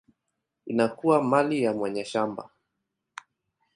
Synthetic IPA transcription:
inakuamalijamwaɲaʃamba̰

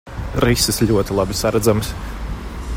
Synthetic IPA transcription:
ɾisɪsʎʲuɔt̪ilˠabisaɾad̪zams

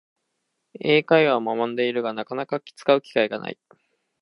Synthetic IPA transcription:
e̞ːkaiβamamãnd̪e̞iɾɯ̟ɡanakanakakʲi̥t͡sɨ̥kaɯ̟kʲi̥kaiɡanʔa̰ḭ

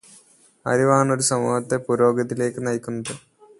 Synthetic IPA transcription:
ɐ̰ɾiʋaːɳo̞ɾusɐmṵːhɐt̪ːepuɾo̞ːɡɐt̪ːile̞ːkːɨnɐjkʲːunːɐðɨ

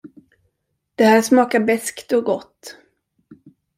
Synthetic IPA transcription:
d̪̥ɛhæːʂmɑːkaɾbɛskt̪ɔɡɔt̪ː

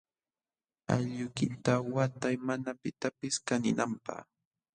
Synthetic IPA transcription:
a̰ʎʊkɪt̪awat̪ajmanapɪt̪apɪskanɪnampa̰χ

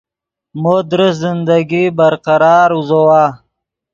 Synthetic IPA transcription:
moːd̪ɾəszɪnd̪aɡibaɾqaɾɑːɾuzowaː

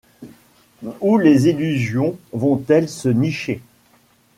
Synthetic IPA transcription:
ulezilyzjɔ̃vɔ̃t̪ɛlsəniʃe

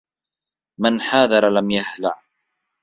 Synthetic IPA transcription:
mɪnħaːðɑɾˤlamjahlaʕ

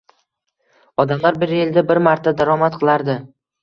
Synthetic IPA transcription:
ɒd̪amlaɾbɪɾeld̪abɪɾmaɾt̪ʰːad̪aɾɒmat̪qʰɨlˠaɾd̪ɪ

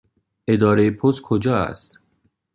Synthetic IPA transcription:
ed̪ɒːɾejepʰos̚kʰod͡ʒɒːæ̰st̪

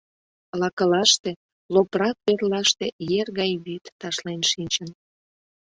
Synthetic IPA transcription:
lɑkəlɑʃt̪e | loprɑk̚pørlɑʃt̪ejerɣɑjβit̪ːɑʃlenʃinʲt͡ɕən

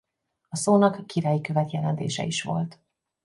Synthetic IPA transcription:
ɒsoːnɒkːiɾaːjikøvɛt̪jɛlɛnt̪ḛːʃɛ̰iʃʋo̞̰lt̪

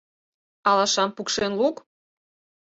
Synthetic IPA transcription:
ɑlɑʃɑmpukʃenluk

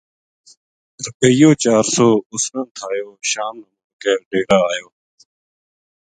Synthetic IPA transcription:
ɾəpəɪjõːt͡ʃaːɾsoːʊsnə̃ːt̪ʰaːjoːʃaːmnəmə̃ːkɛːɖeːɽaːaːjoː

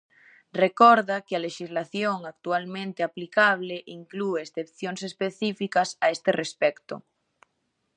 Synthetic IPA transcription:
rekoɾðakealeʃizlaθjoŋak̚t̪ualmẽnt̪eaplikaβ̞leʔiŋklueːsθepθjonsespeθifikasaest̪erespekt̪o̰

